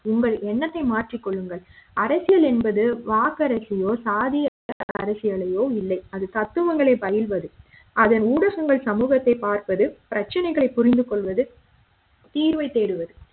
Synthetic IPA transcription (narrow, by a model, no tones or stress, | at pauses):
ʊŋɡɐɭɛnːɐt̪ːɐɪmaːʈrɪkːɔɭːɯŋɡɐɭɐɾɐsɪjɐlɛnbɐðɯʋaːkɐɾɐsɪjoːsaːðɪjaɐɐ̰ɾɐsɪjɐɭɐjoːɪlːɐɪɐðɯt̪ɐt̪ːɯʋɐŋɡɐɭeːbɐjɪlʋɐðɯ | ɐðɐnuːɽɐɣɐŋɡɐɭsɐmuːɣɐt̪ːɐɪpaːɾpɐðɯpɪɾɐt͡ʃːɐnɐɪɣɐɭɐɪpːʊɾɪnd̪ɯkɔɭʋɐðɯ | t̪iːɾʋɐɪt̪ːeːɽɯʋɐðɯ